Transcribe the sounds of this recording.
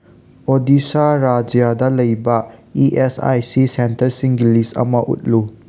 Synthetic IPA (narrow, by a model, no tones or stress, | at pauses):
odisaɾad͡ʒjadɐlɐjbɐiʔesa̰jsisentɐɾsiŋɡilistɐ̰mɐʔṵt̚lu